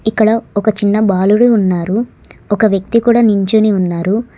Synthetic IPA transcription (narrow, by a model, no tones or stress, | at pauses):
ikːɐɽɐɔkɐt͡ʃinːɐbaːluɽuːnːaːɾu | ɔkɐʋjɐk̚t̪ikuːɽaːniɲt͡ʃuːniunːaːɾu